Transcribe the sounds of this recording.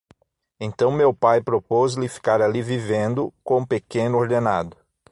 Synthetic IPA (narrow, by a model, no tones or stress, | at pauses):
ẽnt̪ɐ̃w̃mewpajpɾopozlɪfi̥kaɾalivivẽnd̪ʊkõpekẽnʊoɾd̪ena̰d̪ʊ